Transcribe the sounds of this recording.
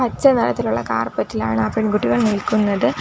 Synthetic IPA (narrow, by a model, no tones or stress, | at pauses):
ɐt͡ɕːɐnɐlɐ̰t̪ːiluɭːɐ̰ka̰ːrpɐtːila̰ːɳɨɐpːɐɽkuʈːiɣɐɭnilkʲːunːɐðɨ